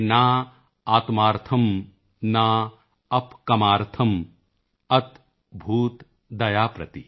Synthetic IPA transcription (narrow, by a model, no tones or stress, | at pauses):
naː | aːt̪maːɾt̪ʰɐm | naː | ɐpkɐmaːɾt̪ʰɐm | ɐt̪ | bʱuːt̪ | d̪ɐjaːpɾɐt̪i